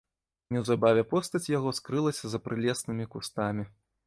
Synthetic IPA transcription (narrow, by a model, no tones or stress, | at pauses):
nʲɛwzabavʲɛpɔst̪ɐt͡sʲjaɣɔskɾɨlˠɐsʲɐzɐpɾʔɨlʲɛsnɨmʲikust̪amʲi